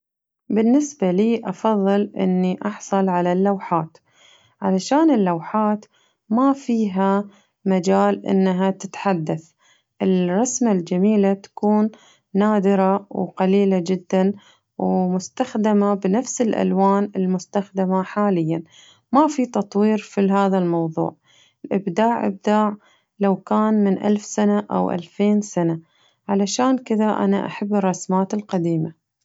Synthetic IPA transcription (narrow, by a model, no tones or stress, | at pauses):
bɪnːɪsbaliːʔɑfɑðˤːɨlʔɪ̰nːiʔɑħsˤɑlʕalalːawħaːt̪ | ʕalaʃaːnɪlːawħaːt̪ | mafiːɦa | mad͡ʒaːlʔɪ̰nːaɦat̪ɪ̥t̪ħad̪ːaθ | ʔɪlrˤɑsmald͡ʒamiːlat̪ḁkuːnː | aːd̪ɪɾawqaliːlad͡ʒɪd̪ːan | wmʊst̪axd̪ɪmabɪnafsɪlʔa̰lwaːnɪlmʊst̪axd̪ɪmaħaːlɪjːan | mafit̪ɑt̪ˤwiːɾfiɦaːðalmɑwðˤṵːʕ | ɪlʔɪbd̪aːʕʔɪ̰b̚d̪aːʕ | lawkaːnmɪnʔa̰lfsanaʔa̰wʔa̰lfeːnsana | ʕalaʃaːnkɪðaʔa̰na̰ʔa̰ħabːɨrˤːɑsmaːt̪ɪlqad̪iːma